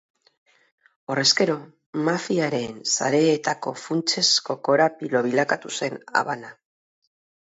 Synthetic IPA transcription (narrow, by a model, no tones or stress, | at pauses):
o̞re̞ske̞ɾo̞ | mafiaɾe̞nsa̰ɾe̞ːt̪ako̞funt͡se̞sko̞ko̞ɾapilo̞βilakat̪use̞na̰βana